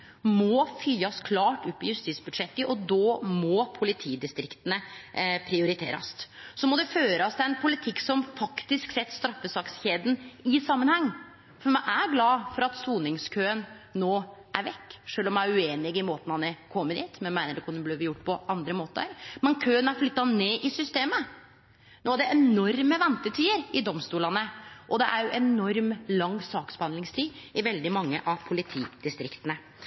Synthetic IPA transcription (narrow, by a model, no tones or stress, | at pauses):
mɔfyːɑskʰlɑːʈʉpːɪjʉst̪iːt̪sbʉd̪ʂɛt̪ːəʔɔd̪ɔːmɔpʰʊlɪt̪ʰiːd̪ɪst̪ɾɪkt̪ənəpʰɾɪʊɾɪt̪ʰḛːɾɑ̰ssɔmɔd̪ɛføːɾɑst̪ʰɪɛnpʰʊlɪt̪ʰɪkːsɔmfɑkt̪ɪsksɛt̪ːst̪ɾɑfːəsɑːksçeːd̪n̩ɪsɑmːənhɛŋː | fɔɾmæɪʔæɾɡlɑːfɔɾɑt̪suːnɪŋskʰøːənː | oːʔæɾʋɛkːʂøːlɔmæɪʉeːnɪɡɪmoːt̪ən̩ɑnəkʰɔmːəɾd̪iːt̪mɛnmæɪnəɖɛkʰʊnəbliːʋjʊʈːpʰɔʔɑnd̪ɾəmoːt̪ə̰ɾmɛnkʰøːənæɾflʏt̪ːɑneːʔɪsʏst̪eːmə | noːæɖɛʔɛnɔɾməʋɛnt̪ət̪ʰiːəɾɪd̪ɔmst̪uːlɑnəʔɔd̪ɛʔæɾjʊʔɛnɔɾmlɑŋːsɑːksbəhɑnd̪lɪŋst̪ʰiːɪʋɛld̪ɪmɑŋːə̰ʔɑʋpʰʊlɪt̪ʰiːd̪̥ɪst̪ɾɪkt̪ənə